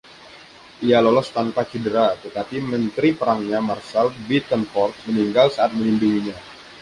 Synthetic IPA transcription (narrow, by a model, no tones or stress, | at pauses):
ʔijalolɔst̪anpat͡ʃidəɾat̪ət̪apimənt̪ɾipəɾaŋɲamarsalbit̪ənfɔrt̪̚məniŋɡalsaʔat̪̚mənimbiŋiɲa